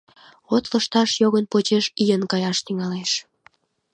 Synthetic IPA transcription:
ot̪ləʃt̪ɑʃjoɣənpot͡ɕeʃijənkɑjɑʃt̪yŋɑleʃ

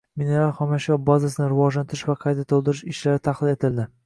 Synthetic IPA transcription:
mineɾalhɒmaʃɒbazasɪnɪɾɪvɒʒlant̪ɪɾɪʃvaqʰɑjt̪ʰat̪ʰolˠd̪ɪɾɪʃɪʃlaɾɪt̪ʰɑχlɪle̞t̪ʰɪld̪ɪ

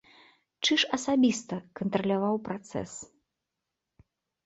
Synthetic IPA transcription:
t͡ʂɨʂɐsabʲist̪ɐkɐnt̪ɾɐlʲavawpɾat̪sɛ̰s

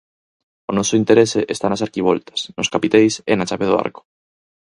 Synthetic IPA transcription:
onosoint̪eɾeseʔest̪anasaɾkiβ̞o̰lt̪ḁsnoskapit̪ejsenat͡ʃaβeðoa̰ɾko̥

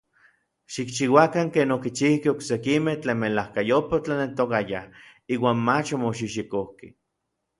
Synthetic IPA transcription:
ʃikt͡ʃiwakaŋkeːnokit͡ʃihkeoksekimeht͡ɬeːnmelahkajopat͡ɬanelt̪okaja | iːwaːnmat͡ʃomoʃ̬iʃikohke

